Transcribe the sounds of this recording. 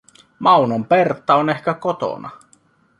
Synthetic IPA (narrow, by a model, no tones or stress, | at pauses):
mɑwnompert̪ːɑone̞hk̟ækot̪o̰nɑ̰